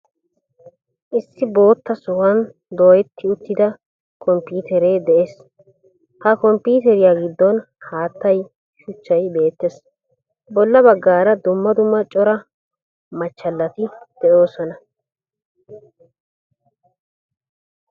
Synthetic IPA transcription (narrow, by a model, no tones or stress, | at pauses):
ʔɪsːɪbo̞ːt̪ːɐsʊwɐn | d̪oːjɛt̪ʰːɪʊt̪ːɪd̪ɐ | kɔmpiːt̪ɛɾeːd̪ɛʔeːs | hɐkɔmpiːt̪ɛɾɪjaɡɪd̪ːɔn | haːt̪ːɐj | ʃʊt͡ʃːɐjbe̞ːt̪ːes | bɔlːɐbɐɡːaːɾɐd̪ʊmːɐd̪ʊmːɐt͡ʃʼɔɾɐ | mɐt͡ʃːɐlːɐt̪ɪd̪̥ɛʔo̞ːsɔnɐ